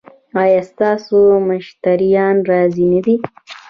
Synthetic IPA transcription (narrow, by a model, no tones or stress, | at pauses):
ɑjɑːst̪ɑːsomʊʃt̪aɾijɑnɾɑzinəd̪i